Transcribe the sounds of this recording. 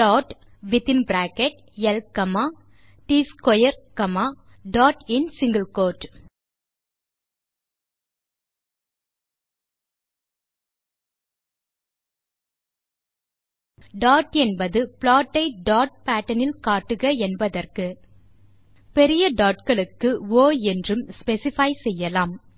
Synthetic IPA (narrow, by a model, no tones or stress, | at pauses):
paːʈ | ʋɪt̪ɪnbɾaːkɛʈ̚ | jɛlkːɐmaː | ʈiːskɔjɐɾkɐmaː | ɖaːʈɪnsɪŋɡɐlkoːʈ | ɖaːʈɛnbɐðɯpɭaːʈːɐɪɖaːʈ̚paːʈːɐnɪlkaːʈːɯɣɐɛnbɐðɐrkɯ | pɛɾɪjɐɖaːʈkɐɭɯkːɯoːɛndrɯmspɛsɪfɐɪsɛjːɐlaːm